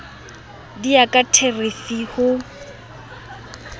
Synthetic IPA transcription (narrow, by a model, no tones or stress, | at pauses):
diakʼatʰerefihʊ